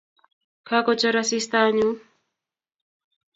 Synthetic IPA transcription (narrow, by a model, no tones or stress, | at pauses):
kʰakot͡ʃaɾasist̪aɲu